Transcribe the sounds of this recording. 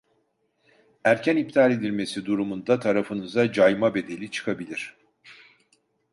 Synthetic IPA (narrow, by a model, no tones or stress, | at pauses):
æɾcʰænip̚t̪ʰaːlʲe̞d̪ilʲme̞sid̪uɾumund̪at̪ʰaɾafɯnɯzad͡ʒajmabe̞d̪e̞lʲit͡ʃʰɯ̥kʰabilʲiɾ̥